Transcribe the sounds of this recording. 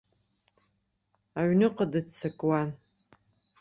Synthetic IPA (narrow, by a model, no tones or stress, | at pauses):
aɥnɨqʼadɨdt͡sʰakʼwan